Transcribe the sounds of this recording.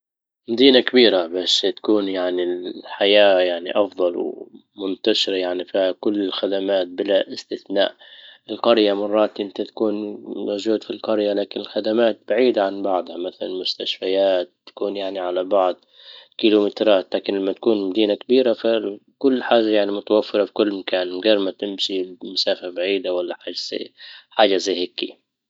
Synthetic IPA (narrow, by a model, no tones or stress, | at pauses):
mad̪iːnakabiːɾabasːt̪ḁkuːnjaʕniħajaːjaʕniʔɑfd̪ˤɑlw | mʊnt̪aʃɪɾajaʕnifiːhakʊlːɪlxad̪amaːt̪̚bɪlaʔɪst̪ɪθna̰ːʔ | ɪlqɑɾjamɑrˤːɑːt̪ʔɪnt̪at̪ḁkuːnmoʒuːd̪filqɑɾjalaːkɪnɪlxad̪amaːt̪̚b̥aʕiːd̪aʕanbɑʕd̪ˤhamaθala̰nmʊst̪aʃfajaːt̪ːḁkuːnjaʕniʕalabɑʕd̪ˤ | kilumɪt̪ɾˤɑːt̪laːkɪnlamːat̪ḁkuːnmad̪iːnakabiːɾafakʊlːħaːʒajaʕnimʊt̪awafːɨɾˤɑbkʊlːmakaːnmʊɡɑɾˤmat̪ɪmsimʊsaːfabaʕiːd̪awalːaħaːʒaza̰ħaːʒazajhɪkːḭ